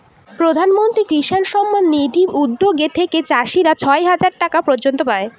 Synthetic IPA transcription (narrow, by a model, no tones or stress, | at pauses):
pɾod̪ʱanmont̪ɾikɾiʃanʃɔmːanːid̪ʱiɾʔud̪ːoɡet̪ʰeket͡ɕaʃiɾat͡ɕʰɔeɦad͡ʑaɾʈakapɾod͡ʑont̪opae